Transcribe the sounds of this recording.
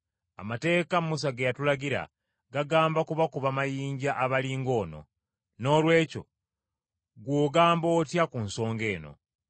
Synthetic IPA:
a̰mate̞ːkamus̬aɡejatulaɡiɾa̰ | ɡaɡaːmbakuβakuβamajiːɲɟaʔaβaliːŋɡo̞ːno̞̰ | no̞ːlwe̞ːco̞̰ | ɡwoːɡaːmbo̞ːtjakunso̞ːŋɡe̞ːno̞̰

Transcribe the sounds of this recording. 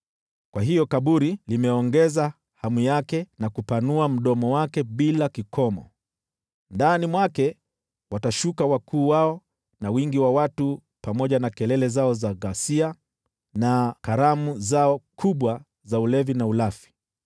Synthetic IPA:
kwaɦijɔkaɓuɾilimɛɔŋɡɛza | hamwijakɛnakupanuam̩ɗɔmɔwakɛɓilakikʰɔmɔ̰ | ndanimwakɛ | wataʃukawakʰuːwaɔ | nawiŋɡiwawatu | pamɔʄanakɛlɛlɛzaɔzaɣasia | nakaɾamuzaɔkʰuɓwa | zaulɛvinaulafi̥

